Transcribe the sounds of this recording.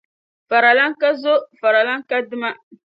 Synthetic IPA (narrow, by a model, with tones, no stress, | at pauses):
fa˨ɾa˨la˦ŋ˦ka˦zo˦fa˨ɾa˨la˦ŋ˦ka˦dɨ˦ma˦